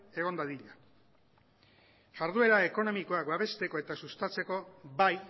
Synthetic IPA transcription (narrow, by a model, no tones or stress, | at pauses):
e̞ɣ̞o̞nd̪aðiʎa | saɾðue̞ɾae̞ko̞no̞miko̞akbaβ̞e̞st̪e̞ko̞e̞t̪asust̪at͡se̞ko̞βaj